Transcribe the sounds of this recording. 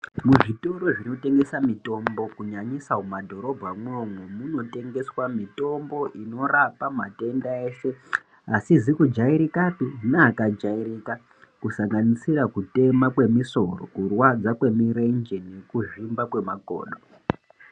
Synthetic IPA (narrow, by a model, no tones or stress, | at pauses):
muʐito̞ɾo̞ʐino̞te̞ŋɡe̞samito̞mbo̞kuɲaɲisaumadʱo̞ɾo̞bʱamwomwemuno̞te̞ŋɡe̞swamito̞mbo̞ʔino̞rapamate̞ndaeːʃe̞ | asizikud͡ʒaiɾikatunaːkad͡ʒaiɾika | kusaŋɡanisiɾakute̞makwe̞miso̞ro̰kurwad͡zakwe̞miɾe̞nd͡ʒene̞kuʐimbakwe̞makoːɗo